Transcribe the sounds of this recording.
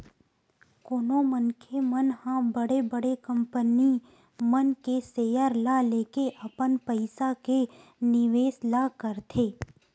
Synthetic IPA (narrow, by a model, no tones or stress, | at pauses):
koːnomənkʰemənhãbəɽebəɽekə̃mpəni | mənkeseːjəɾlaleːkeʔɐpənpəɪsakenɪʋeːslakəɾt̪ʰeː